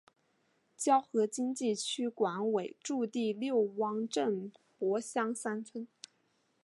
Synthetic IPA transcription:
t͡ɕjɑ˥ʊxɤ˧˥t͡ɕi˥ŋt͡ɕi˥˩t͡ɕʰy˥kwa˧˥nwe˨˩ɪʈ͡ʂu˥˧t̪i˥˧ljo˥˩ʊwɑ˥ŋʈ͡ʂə˥˩npwɔ˧˥ɕjɑ˥ŋsa˥nt͡sʰwə˥n

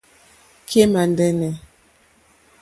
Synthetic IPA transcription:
kʰe˦ma˨ndɛ˦nɛ˨

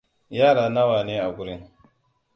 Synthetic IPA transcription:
jaː˦˨ɾaː˨na˦waː˨neː˦ʔa˨ɡʷʊ˦ɾɪ˦ŋ

